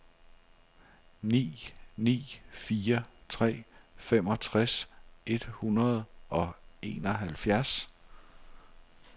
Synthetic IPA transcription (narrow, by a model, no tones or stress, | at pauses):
nḭːnḭːfiːɐt͡sʰʁɛ̰ːfem̰ɒ̽t͡sʰʁase̝d̥hunɐð̞̩ˠʔɒ̽e̝ːnɒ̽ɦælfjæɐs